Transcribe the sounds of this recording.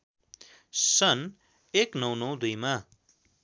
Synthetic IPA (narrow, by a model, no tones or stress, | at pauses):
sʌn | eknʌw̃nʌw̃d̪ujma